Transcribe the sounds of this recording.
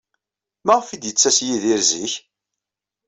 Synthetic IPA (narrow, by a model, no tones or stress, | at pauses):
mæʁfid̪jət͡sːæsjiðiɾziç